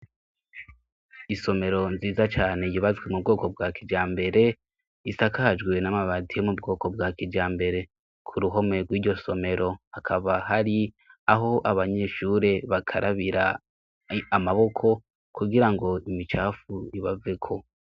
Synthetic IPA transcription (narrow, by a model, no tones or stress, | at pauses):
iso̞me̞ɾo̞nziːzat͡ʃaːne̞jiβazɡwe̞mub̚ɡo̞ːko̞b̚ɡaːkid͡ʒaːmbe̞ɾe̞ | isakaːd͡ʒɡwe̞namaβadijomubɡo̞ːko̞b̚ɡaːkid͡ʒaːmbe̞ɾe̞ | kʰuɾuɦo̞me̞ɡwiːɟo̞so̞me̞ɾo̞akʰaβaɦaɾi | aɦo̞ʔaβaɲe̞ːʃuɾe̞βakʰaɾʔaβiɾa | amaβo̞kʰo̞ | kuɡiɾaŋɡo̞imit͡ʃaːfuiβave̞kʰo̞